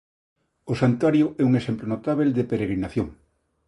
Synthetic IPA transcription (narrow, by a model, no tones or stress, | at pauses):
osant̪waɾjoɛuŋesemplonot̪aβeld̪epeɾeɣɾinaθjoŋ